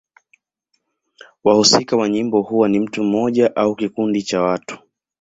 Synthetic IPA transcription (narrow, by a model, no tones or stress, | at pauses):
wahusikawaɲimbɔhuwanim̩tum̩ːɔʄaʔaukikundit͡ʃawatu̥